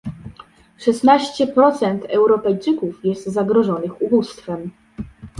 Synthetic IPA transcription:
ʂɛsnaɕt͡ɕɛpɾɔt̪sɛnt̪ʰɛwɾɔpɛjt͡ʂɘkufjɛst̪zaɡɾɔʐɔnɘxubust̪fɛm

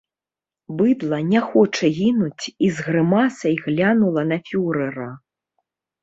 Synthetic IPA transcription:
bɨd̪lˠɐnʲɛxɔt͡ʂɐɣʲinut͡sʲizɣɾɨmasɐjɣlʲanulˠɐnɐfʲuɾɛɾɐ

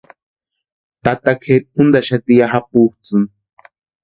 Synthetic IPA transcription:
t̪at̪akʰet̪̚und̪aʃat̪ijaɦap̚uht͡sɨn

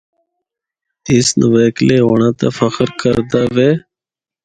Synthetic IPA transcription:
ɪsnəʋeːkleːɦoːɳãːt̪a̰ːfəxəɾkəɾd̪aːʋeː

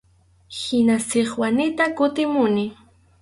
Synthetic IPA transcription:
hɪnasɪχwanɪt̪akʊt̪ɪmʊnɪ

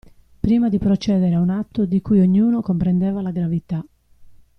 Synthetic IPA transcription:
pːɾiːmad̪ipɾɔt͡ʃɛːðɛɾaunat̪ːod̪ikujoɲːuːnɔkɔmpɾɛnd̪ɛːvalaɡɾavit̪a

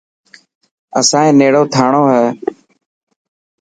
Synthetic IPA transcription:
ə̰sãːẽːneːɽoːt̪ʰaːɳoːɦɛː

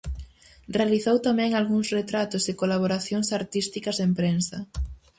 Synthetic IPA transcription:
realiθowt̪amɛ̃ŋalɣuŋsret̪ɾat̪osɪkolaβ̞oɾaθjoŋsaɾt̪ist̪ikɐzðempɾensɐ

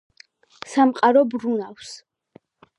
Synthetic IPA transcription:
samqʼaɾɔbɾunafs

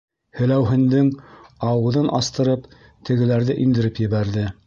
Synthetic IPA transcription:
hɘ̆læwɦɘ̆nd̪ɘŋɑwɤ̆ðɤnʔɑst̪ɤ̆ɾɤp | t̪ʰɘ̆ɡɘ̆læɾðɘʔind̪ɘ̆ɾɘpjɘ̆βæɾðɘ

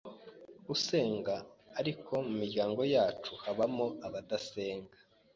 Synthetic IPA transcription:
use̞ːŋɡaːɾikʰo̞mumiɾɟaːŋɡo̞jaːt͡ʃuhaβamo̞aβadase̞ːŋɡḁ

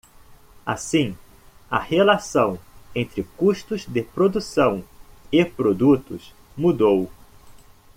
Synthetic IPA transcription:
a̰sĩ | ɐ̰helasɐ̃w̃ẽnt̪ɾɪkuʃt̪ʊzd̪ɪpɾod̪usɐ̃w̃ɪpɾod̪ut̪ʊs | mud̪ow

